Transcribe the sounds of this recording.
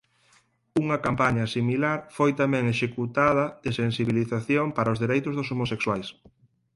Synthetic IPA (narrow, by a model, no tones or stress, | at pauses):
uŋɐkampaɲɐsimilaɾfojt̪amɛ̃ŋeʃekut̪aðɐðɪsensiβiliθaθjoŋpaɾaʊzðiɾejt̪ʊzðʊsomosekswajs